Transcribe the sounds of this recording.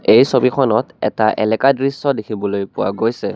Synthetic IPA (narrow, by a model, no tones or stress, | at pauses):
ejsobixʰɔnɔtɛ̰taʔɛ̰lɛkadɹisɔdekʰibɔlojpʊwa̰ɡojsɛ